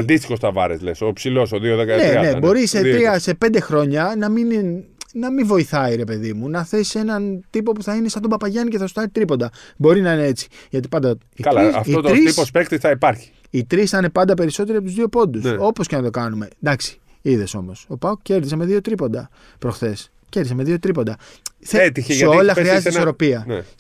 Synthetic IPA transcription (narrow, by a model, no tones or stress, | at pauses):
ɐnd̪ist̪ixo̞st̪ɐvɐ̰ɾḛzlesoipsilo̞soðioðekɐneɐnḛbo̞ɾiseiɾiɐse̞pe̞nd̪e̞xɾo̞ɲɐnɐminnɐmiɱvo̞iθɐiɾe̞pe̞ðimunɐθe̞se̞nɐnt̪ipo̞puθɐinesɐft̪obɐpɐʝɐnice̞θɐsu̥t̪ɐɾit̪ɾipo̞nd̪ɐbo̞ɾinɐine̞et͡si̥ʝɐt̪i̥pɐnd̪ɐ | ikɐlɐɐ̰fiot̪ɾisipospekt̪iθɐipɐɾçi̥ | it̪ɾisθɐne̞pɐnd̪ɐpe̞ɾiso̞t̪eɾiɐpot̪uzðio̞po̞nd̪uso̞po̞sce̞nɐt̪o̞kɐnume̞d̪ɐksi̥ | iðe̞so̞mo̞so̞pɐukce̞ɾðis̬eme̞ðio̞t̪ɾipo̞nd̪ɐ | pɾo̞xθe̞s | ce̞ɾðis̬ɐme̞ðio̞t̪ɾipo̞nd̪ɐ | θet̪içesʝɐeo̞llɐxɾiɐzeiisoɾo̞piɐnḛ